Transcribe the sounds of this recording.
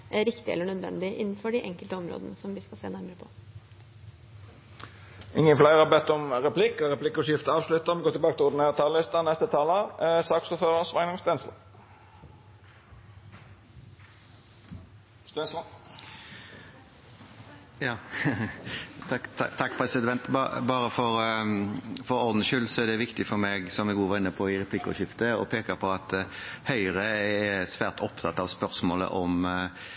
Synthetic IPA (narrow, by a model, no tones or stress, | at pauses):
ɾɪkt̪ɪɛ̰lːəɳœd̪ʋɛ̰nd̪ɪʔɪ̰nːn̩fɔɖiʔɛŋkəlt̪əɔmɾo̰ːd̪ənəsɔmʋɪskɑsḛːnæɾməɾəpʰɔ | ʔɪŋːəflæɪʁəɑbɛt̪ːɔmʁɛpʰlɪkːɔʁɛpʰlɪkːɔʂjɪft̪əɑːʋslʉt̪ːəmɛɡoːt̪ɪlbɑːɡət̪ɪlʊɾd̪ɪneːʁət̪ʰɑːllɪst̪ənɛst̪ət̪ʰɑːlɑsɑːksuːføːʁəsʋɑɪŋnɪŋst̪ɛːnslɑ̰ | sɛs | jɑː | ɑt̪ʰɑkːpʰɾɛsɪd̪ɛnt̪bɑbɑːɾəfɔɾ | fɔɾɔʁd̪n̩ʃʏlsɔæʁd̪ɛʋɪkt̪ɪfɔɾmɛɡsɔmɛɡuːʋɑʁɪnːəpʰɔɪɾɛpʰlɪkːɔ̰ɕɪft̪əɔ̰pʰeːkəɾpʰɔɑt̪hœʏɾəɛsʋæːʁt̪ʰɔpt̪ʰɑt̪ːɑʋspœʁsmoːlə̰ʔɔm